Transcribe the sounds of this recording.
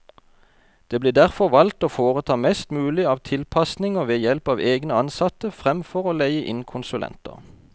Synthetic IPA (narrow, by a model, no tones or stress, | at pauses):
d̪̥eːbliːd̪æʁfɔʁʋɑlt̪oːfoːʁət̪ʰɑːmɛst̪mʉːlɪɑːʋt̪ʰɪlpʰɑsnɪŋoːʋeːjɛlpɑːʋeːɡnəɑnsɑt̪əfʁɛmfɔʁoːlæɪəʔɪnkʰʊnsʉlɛ̰nt̪ə̰ʁ